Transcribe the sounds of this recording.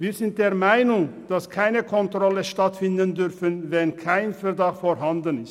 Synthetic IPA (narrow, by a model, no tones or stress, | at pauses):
viːzɪnt̚d̥eːɐmaɪnʊŋd̥askʰaɪnəkʰɔntʁ̥ɔləʃtatfɪndəndʏɾfənvɛnkʰaɪnfɛʁdɑχtfoːɾɦandənɪst